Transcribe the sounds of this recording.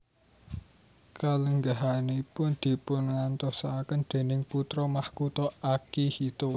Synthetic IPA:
kaləŋɡaɦanepʊnd̪̥i̤pʊnŋant̪ɔsakənd̪̥e̤nɪŋput̪ɾɔmahkut̪ɔakihit̪o

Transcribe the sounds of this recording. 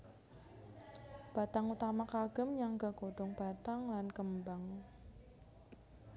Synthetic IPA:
b̥a̤t̪aŋut̪amakaɡ̥ə̤mjaŋɡakoɖ̥ɔŋb̥at̪aŋlankəmbaŋ

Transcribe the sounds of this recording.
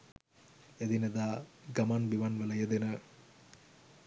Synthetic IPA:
ed̪inəd̪aːɡɐmanbiʋanʋəlɐjed̪enə

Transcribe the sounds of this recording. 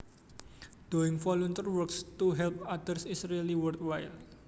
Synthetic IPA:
d̥oɪŋfɔlɔnt̪ərwərkst̪uɦɛlp̚ad̪ərsisɾeliwərt̪wajl

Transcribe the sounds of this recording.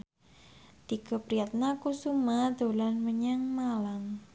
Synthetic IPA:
d̪̥ikəpɾijat̪̚nakusumad̪olanməɲaŋmalaŋ

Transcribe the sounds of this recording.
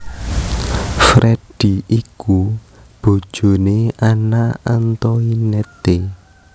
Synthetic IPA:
fɾʔɛd̥iʔiku | b̥o̤̥ʒ̥o̤neanaant̪ɔinɛt̪e

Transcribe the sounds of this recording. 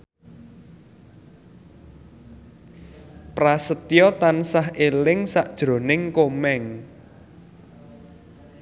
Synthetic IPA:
prasət̪jɔt̪ansaɦelɪŋsaʔd̥ʒ̥ɾo̤nɪŋkomɛŋ

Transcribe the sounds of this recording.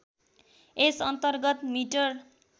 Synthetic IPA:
esʌnt̪ʌrɡʌt̪miʈʌr

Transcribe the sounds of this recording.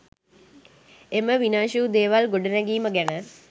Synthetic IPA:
eməʋinaːʃuːd̪eːʋalɡoɖənɛɡiːməɡænə

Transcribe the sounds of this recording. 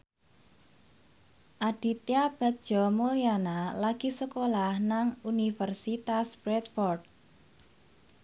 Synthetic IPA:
ʔad̪̥i̤t̪jab̥a̤k̚d̥ʒ̥ɔmojanalaɡ̥i̤səkolahnaŋunifərsit̪aspɾɛt̪fɔrd̪̚

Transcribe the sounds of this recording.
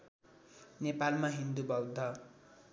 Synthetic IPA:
nepalmaɦind̪ubʌwd̪ʱːʌ

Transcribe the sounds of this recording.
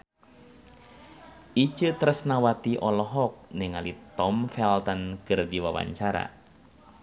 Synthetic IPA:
it͡ʃət̪əɾəsnawat̪iʔɔlɔɦɔk̚neŋalit̪ɔmfɛlt̪ankɨrdiwawa̰ɲt͡ʃaɾa̰

